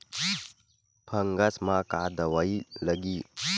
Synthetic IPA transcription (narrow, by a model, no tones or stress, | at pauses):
pʰɐŋɡasmakadɐwajlɐɡi